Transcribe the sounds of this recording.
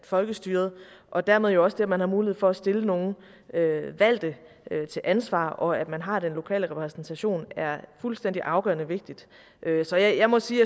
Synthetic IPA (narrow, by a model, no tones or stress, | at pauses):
fɒ̽lɡ̥əsd̥yːɐð̞̩ˠʔɒ̽d̥æɐme̝ð̞ˠjo̝ɒ̽səd̥eæmænhɑ̈muːlie̝ð̩ˠfɒ̽æsd̥e̝ləno̝ːn̩ | øʋæl̰d̥ə | t͡sʰe̝lʔænsʋɑ̰̈ːʔɒ̽æd̥mænɦɑ̈d̥enlo̝kʰɛ̰ːləʁɛpʰʁɛsn̩t͡sʰæɕo̝̰ːnæɐfulsd̥en̰d̥iʔɑ̈ʊɡ̥ɶɐnəʋe̝ɡ̥̚d̥id̥ | ʔøsɒ̽jɪjɑ̈ɪmɒ̽siː